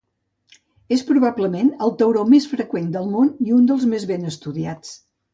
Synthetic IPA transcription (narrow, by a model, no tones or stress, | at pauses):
espɾuβabləmenəlˠt̪əwɾomesfɾəkwend̪əlˠmoniund̪əlˠzmezβenəst̪uðiat͡s